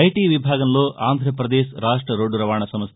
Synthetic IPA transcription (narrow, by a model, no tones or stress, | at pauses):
ɐjʈiʋibʱaːɡɐnloːʔaːnd̪ʱɾɐpɾɐd̪eːʃɾaːʂʈɾɐɾoɖːuɾɐʋaːɳɐsɐmɐs